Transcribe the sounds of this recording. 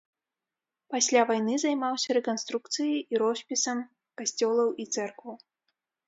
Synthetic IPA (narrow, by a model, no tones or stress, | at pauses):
pasʲlʲavajnɨzajmawsʲɐɾɛkanst̪ɾuk̚t̪sɨjijʔiɾɔsʲpʲisɐm | kasʲt͡sʲɔlˠɐwit̪sɛrkvɐw